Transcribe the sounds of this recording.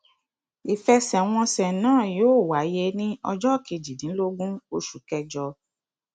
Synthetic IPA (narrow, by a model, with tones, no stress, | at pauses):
i˨fɛ˧sɛ˨w̃ɔ̃˧sɛ˨nãː˦˨joː˦˨wa˨˦je˧nĩ˦ɔ˧d͡ʒɔ˦˨kʰe˨˧˨d͡ʒi˨dĩ˨˦lo˦ɡũ˦o˧ʃu˨kɛ˧d͡ʒɔ˧